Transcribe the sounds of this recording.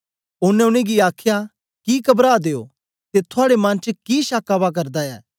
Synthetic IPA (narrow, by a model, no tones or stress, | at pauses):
ʊnɛ̃ʊɽ̃eɡiaːkʰja | kikɐbɾaːd̪eːoː | t̪et̪ʰʊaːɽemɐ̃nt͡ʃəkiːʃaːkabak̬ɐɾd̪aɛ̰ː